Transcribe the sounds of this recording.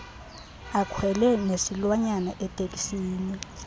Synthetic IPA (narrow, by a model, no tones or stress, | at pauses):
akʰwɛlɛnesilwaɲanaʔɛtʼekʼi̥siːni